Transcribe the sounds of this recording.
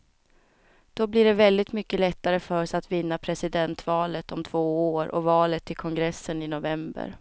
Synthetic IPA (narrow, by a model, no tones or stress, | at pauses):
d̪̥ɔblɪɖɛvɛld̪ɪt̪mʏkːəlɛt̪ːaɾəfœɾsat̪vɪnːapʰɾɛsɪd̪ɛnt̪vɑːlət̪ɔmt̪ʰv̥oːoːɾɔ̰vɑːlət̪ʰːɪlkʰɔŋɡɾɛsːənɪnʊvɛmbə̰ɾ